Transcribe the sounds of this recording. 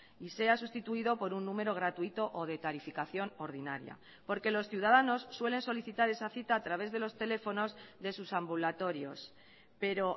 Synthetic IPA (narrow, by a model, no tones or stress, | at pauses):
ise̞asust̪it̪uiðo̞po̞ɾunːũme̞ɾo̞ɣɾat̪uit̪o̞ʔoð̞e̞t̪aɾifikaθjo̞no̞ɾðinaɾja̰ | po̞ɾke̞lo̞sθjiuwðaðano̞sːwe̞le̞nso̞liθit̪aɾe̞saθit̪aːt̪ɾaβ̞e̞zðe̞lo̞st̪e̞le̞fo̞no̞zðe̞susambulat̪o̞ɾjo̞̰s | pe̞ɾo̞